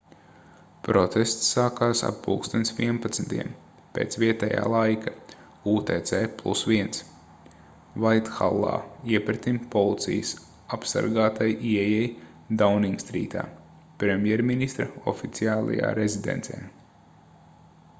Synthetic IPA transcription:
pɾɔt̪est̪sːaːkaːsa̰pːuːkst̪onsʋiɛnpat̪snt̪iɛm | peːt̪sviɛt̪ɛja̰ːlˠajka | uːt̪ɛːt̪sɛːplˠṵsʋiɛns | vajt̪xa̰lˠːa̰ːiɛpɾet̪impɔlˠit̪sḭjəs | apsa̰ɾɡaːt̪ajʔiɛjɛj | d̪awniŋɡst̪ɾḭːt̪a̰ː | pɾemʲjɛɾminist̪ɾɐɔ̰fit̪siaːlˠa̰ja̰ːɾezid̪ḛnt̪sɛ̰ː

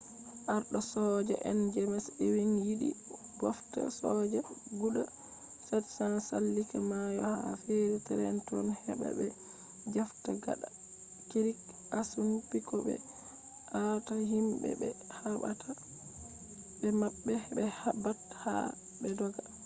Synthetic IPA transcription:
ʔaɾɗɔsɔd͡ʒɛʔɛnd͡ʒɛmɛsewinjiɗḭ | bwafta̰sɔd͡ʒɛɡuɗa | sɛtsanasalːikamajɔhafeɾitɛɾɛ̰ntɔnhɛbɛ̰ɓɛ | d͡ʒaftaɡa̰ɗa | kiɾik | asumpikɔɓɛ̰ | ʔataɦimbɛ̰bɛhaba̰tʰa | bɛmabːɛhɛbɛhabatha̰ | bɛdɔɡa

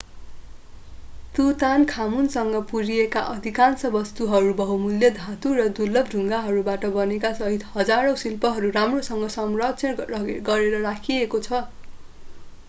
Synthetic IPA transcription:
t̪ut̪ankʰamunsʌŋɡʌpuɾijekaʔʌd̪ʱikansʌbʌst̪uɦʌɾubʌɦumuljʌd̪ʱat̪uɾʌd̪ulːʌb̚dʱuŋɡaɦʌɾubaʈʌbʌnekasʌɦit̪hʌd͡zaɾow̃silpʌɦʌɾuramrosʌŋɡʌsʌmrʌtsʰʌʌɡʌɾeɾʌrakʰiekot͡sʰʌ

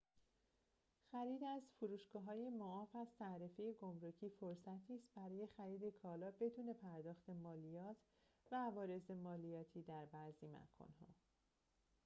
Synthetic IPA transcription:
xæɾiːd̪æzfuɾuːʃɡ̥ɒːɦɒːjemoɒːfæzt̪ʰæɾefejeɡomɾocʰiːfo̞ɾsæt̪ʰiːst̪̚bæɾɒːje̞xæɾiːd̪e̞kʰɒːlɒːbe̞d̪uːne̞pʰæɾd̪ɒːxt̪e̞mɒːlijɒːt̪ʰ | væːvɒːɾe̞ze̞mɒːlijɒːt̪ʰiːd̪æɾbæzimæ̰kʰɒ̰nɦɒ̰ː

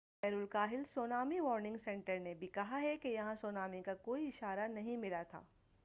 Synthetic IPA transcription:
ɛːɾʊlkaːɦɪlsoːnaːmiʋɔːɾnɪ̃ŋɡsɛ̃ɳʈəɾnebʱikɐɦaɦɛkejɐɦãsoːnaːmikakoːiɪʃaːɾanɐɦĩmɪlat̪ʰa̰ː

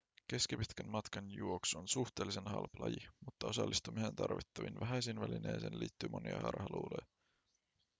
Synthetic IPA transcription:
k̟e̞skipit̪kænmɑt̪kɑnjuoksonsuht̪e̞ːlːisenhɑ̰lplɑ̰jimut̪ːɑo̞sɑ̰lːist̪umiseːnt̪ɑrʋit̪ːɑʋinʋæɦæjsinʋælineːsḛːnliːt̪ːyːmo̞niɑ̰hɑ̰rhɑluːlojɑ

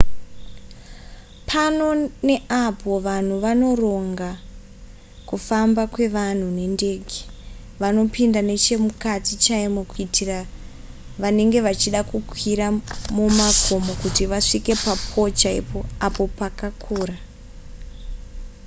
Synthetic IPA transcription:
pʰano̞ne̞ʔapo̞ʋan̤uʋano̞ro̞ŋɡa | kufambakwe̞ʋan̤une̞nde̞ɡʱe̥ | ʋano̞pindane̞t͡ʃe̞mukatit͡ʃaemokuitira | ʋane̞ŋɡe̞ʋat͡ʃiɗakukwiɾamumakʰo̞mokutiʋaʂike̞pap̚ʰo̞t͡ʃaḭpo̞apo̞pakakʰuːra

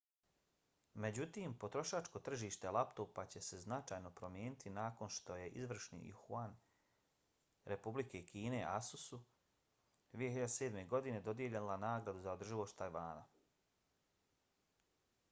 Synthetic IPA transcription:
me̞d͡ʑut̪iːmpo̞t̪ɾo̞ʃaːt͡ʃko̞t̪r̩ʒiːʃt̪e̞lˠapt̪opat͡ɕe̞se̞znat͡ʃaːjno̞pɾo̞mje̞ːnit̪ʰinaːko̞nʃt̪o̞je̞ʔizʋr̩ʃnḭxuan | ɾʔe̞publike̞kʰiːne̞ʔasusu | d̪ʋijehiʎad̪ese̞ːd̪me̞ɡo̞d̪ine̞d̪o̞d̪je̞ʎenlanaːɡɾad̪uzaod̪r̩ʒiloʃt̪ajʋaːna̰

